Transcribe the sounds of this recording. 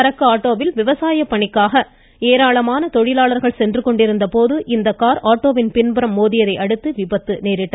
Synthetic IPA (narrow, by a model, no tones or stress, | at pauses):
ɐɾɐkːɯaːʈːoːʋɪlʋɪʋɐsaːjɐpːɐɳɪkːaːɣɐ | eːɾaːɭɐmaːnɐt̪ɔɻɪlaːɭɐɾɣɐɭsɛndrɯkːɔɳɖɪɾɯnd̪ɐpoːðɯʔɪnd̪ɐkːaːɾaːʈːoːʋɪnpɪnbɯɾɐmːoːðɪjɐðɐɪʔɐɽɯt̪ːɯʋɪbɐt̪ːɯneːɾɪʈːɐ